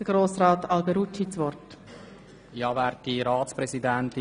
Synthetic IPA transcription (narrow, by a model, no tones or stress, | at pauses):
əɡ̥ɾoːsɾɑːtɑlbɛɾut͡ʃhisʋɔrt | jɑvɛːɾt̚diɾaːtspɾɛsidɛnti